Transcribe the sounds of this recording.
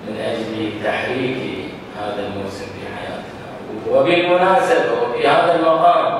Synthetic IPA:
mɪnʔad͡ʒlt̪aħɾiːki | haːðalmoːsɪmfḭħa̰ja̰ːt̪na̰ | wɪbilmʊnaːsabawɪfihaːðalmɑqɑːm

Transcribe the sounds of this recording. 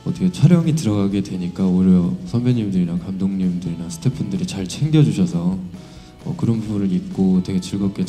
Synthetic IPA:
ʌt͈ʰʌkʰet͡ɕʰaɾjʌŋitɯɾʌɡaɡe̞dwe̞ɲik͈aoɾjʌsʰʌmbeɲimdɯɾinakamdoŋɲimdɯɾinasʰɯ̥tʰe̞pʰɯndɯɾit͡ɕaɭt͡ɕʰe̞ŋɡjʌd͡ʑuɕʰʌsʰʌ | ʌ̰kɯɾʌnbubunɯɾik̚k͈otwe̞ɡe̞t͡ɕiɭɡʌp̚k͈e

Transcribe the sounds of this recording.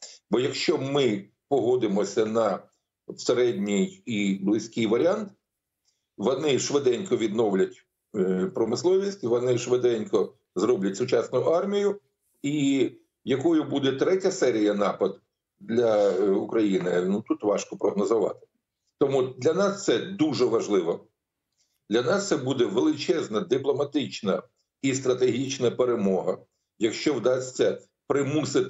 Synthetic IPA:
bɔjɐkʃt͡ʃɔmɪ | pɔɦɔd̪ɪmɔsʲɐnɐ | seɾɛdʲnʲijiblˠɪsʲkʲɪjʋɐɾʲɪɑnt̪ | ʋɔnɪʃʋɪd̪ɛnʲkɔʋʲid̪nɔwlʲɐtʲ | pɾɔmɪslˠɔʋʲisʲtʲiʋɔnɪʃʋɪd̪ɛnʲkɔ | zrɔblʲɐtʲsʊt͡ʃɑsnʊjʊɑrmʲijʊ | i | jɐkɔjʊbud̪ɛt̪ɾɛtʲɐsɛɾʲijɐnɑpɐd̪ | d̪lʲɐukɾɐjinɪnut̪ut̪ʋɑʃkɔpɾɔɦnɔzʊʋɑ̰t̪ɪ̥ | t̪ɔmud̪lʲɐnɑst̪sɛd̪uʒɛʋɐʒlˠɪʋɔ | d̪lʲɐnɑst̪sɛbud̪ɛʋelˠɪt͡ʃɛznɐd̪ɪplˠɔmɐt̪ɪt͡ʃnɐ | ist̪ɾɐt̪eɦʲit͡ʃnɐpeɾemɔɦɐ | jɐkʃt͡ʃɔwd̪ɑsʲt͡sʲːɐ | pɾɪmusɪt̪

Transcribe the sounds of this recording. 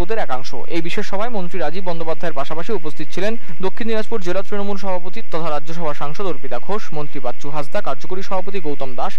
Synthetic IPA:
od̪eɾɛkaŋʃo̰ejbiʃeʃːɔbʱaemont̪ɾiɾad͡ʑibːɔnd̪opad̪ʱːaeɾpaʃapaʃiupost̪ʰit̪o̥t͡ɕʰilen | d̪okʰːinːiɾad͡ʑpuɾd͡ʑelat̪ɾinomulʃɔbʱapot̪it̪ɔt̪ʰaɾadːd͡ʑʱoʃ̬ɔbʱaʃaŋʃɔd̪oɾpit̪aɡʰʱoʃmont̪ɾibat̪ːt͡ɕuɦad͡ʑd̪akaɾd͡ʑokoɾiʃɔbʱapot̪iɡowt̪ɔmd̪aʃ

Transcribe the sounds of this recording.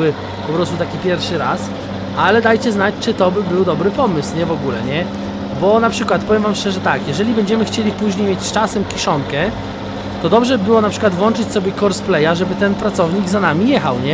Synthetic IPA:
ɘ | pɔpɾɔst̪ut̪akʲipʲjɛɾfʂɘɾas | ʔalɛd̪ajt͡ɕɛznat͡ɕt͡ʂɘt̪ɔbɘbɘwd̪ɔbɾɘpɔmɘsɲɛvɔɡulɛ̰ɲɛ | bɔnapʂɘkwat̪̚pɔvjɛmvamʂt͡ʂɛʐɛt̪akjɛʐɛlʲibɛɲd͡ʑɛmɘxt͡ɕelʲipuʑɲejmʲjet͡ɕst͡ʂasɛmkʲiʂɔŋkɛ | t̪ɔd̪ɔbʐɛbɘwɔnapʂɘkwad̪vwɔnt͡ʂɘt͡ɕsɔbʲjɛkɔɾsplɛjaʐɛbɘt̪ɛnpɾat̪sɔvɲiɡzanamʲijɛxawɲɛ

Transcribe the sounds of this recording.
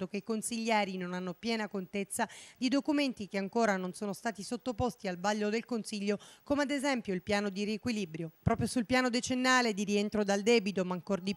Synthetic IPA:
okeikonsiʎːɛːɾinonanːopjɛːnakont̪et̪sːad̪id̪okument̪ik̟eaŋkoːɾanonsoːnost̪aːt̪isot̪ːopost̪ialbaʎːod̪elkonsiʎːokomead̪ezɛmpjoilpjaːnod̪iɾiekwilibɾjopɾɔːpɾjosulpjaːnod̪et͡ʃenːaːled̪iɾient̪ɾod̪ald̪ɛːbit̪omaŋkord̪i

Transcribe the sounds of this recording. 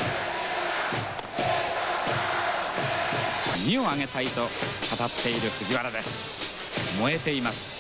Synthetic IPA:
mʲio̞aŋe̞t̪ait̪o̞kat̪at̪ʰːe̞iɾɯ̟ɸɯ̟ɡʲiβaɾad̪e̞sɨ̥ | mo̞e̞t̪e̞imasɨ̥

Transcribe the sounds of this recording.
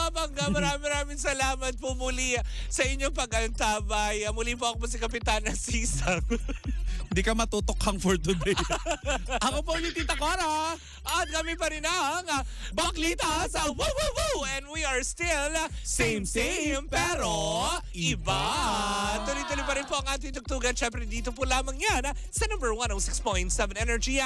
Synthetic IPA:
abɐŋɡamɐɾaːmɪmɐɾaːmɪŋsɐlaːmɐt̪̚pomʊlisɐʔɪɲːopɐɡɐnt̪aːbɐjɐmʊlip̬oʔɐkopɐs̬ɪkɐp̬ɪt̪anɐsiːsɐŋ | ɪnd̪iːkɐmɐt̪ut̪okhɐŋfoɹt̪ʊd̪e | ʔɐkop̬ɐʊlit̪it̪ɐkaɾa | ɐt̪̚kɐmɪpɐɾɪnɐaŋabaklit̪ɐswuwwuɛnd̪wiɐɹst̪ɪlsẽjmsmpɛɾo | ɪba | t̪ʊɾit̪ʊlipɐɾɪnpoʔɐŋʔaːt̪̬ɪŋt̪̬ʊk̚t̪uːɡɐnʃɛmpɾɛnd̪iːt̪op̬ʊlaːmɐŋjan | sɐnɐ̃mbɛɹwɐ̃nowsɪkspojnt̪sɛvɛnɛnɛɹd͡ʒi

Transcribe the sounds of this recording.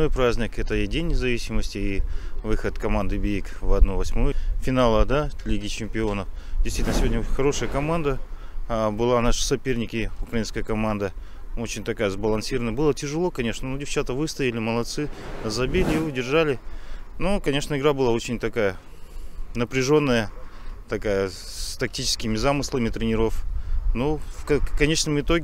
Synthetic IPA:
no̞jpɾazʲnʲɪkɛt̪əidʲenʲːɪzɐvʲisʲɪməsʲtʲɪːvɨxət̪kɐmand̪ɨbʲiikvɐd̪novɐsʲmojəfʲɪnalˠəd̪alʲiɡʲɪt͡ɕɪmʲpʲɪo̞nəfdʲɪsvitʲnəsʲvodʲnəoxɐɾo̞ʂəjəkɐmand̪ə | bɨlˠanaʂɨ̥sɐpʲe̞rnʲɪkʲɪʊkɾɐinskəjəkɐmand̪ə | o̞t͡ɕɪnʲt̪ɐkajəzbəlˠɐnsʲiɾəvənəbɨlˠətʲɪʐɨlˠo̞kɐnʲeʂnənodʲɪft͡ɕat̪əvɨst̪əɪlʲɪməlˠɐt̪sɨzɐbʲilʲɪɪʊdʲɪrʐalʲɪnukɐnʲe̞ʂnəɪɡɾabɨlˠao̞t͡ɕɪnʲt̪ɐkajə | nəpɾʲɪʐo̞nːəjət̪ɐkajəst̪ɐk̚tʲit͡ɕɪ̥skʲɪmʲɪzamɨslˠəmʲɪt̪ɾʲɪnʲɪɾo̞fnufkkɐnʲe̞ʂnɨmɨt̪o̞ɡʲɪ

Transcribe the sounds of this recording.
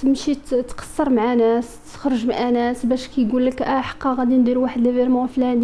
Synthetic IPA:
əmʃit̪qɑ̥sˤːəɾˤmʕanæst̪ə̥xɾˤəʒmʕanæsbæʃkæjɡulːəkʔæħɑ̥qːɑɣæd̪ind̪iɾwaħəd̪læviɾmɑflæn

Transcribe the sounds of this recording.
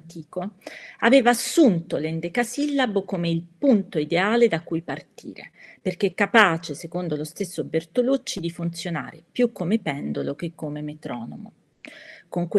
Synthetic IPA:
t̪iːkoaveːvaːsːunt̪olɛnd̪ekasilːabokomeilpunt̪oid̪eaːled̪akujpart̪ḭːɾḛperk̟eɛkːapaːt͡ʃesekond̪olost̪esːobert̪olut͡ʃːid̪ifunt̪sjona̰ːɾepjukːomepɛnd̪olok̟ekːomemet̪ɾɔːno̰mo̰ | koŋkw

